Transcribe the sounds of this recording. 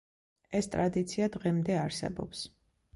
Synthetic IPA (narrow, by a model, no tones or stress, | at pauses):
ɛst̪ʼɾad̪it̪sʰiad̪ʁɛmd̪ɛaɾsɛ̰bɔ̰ps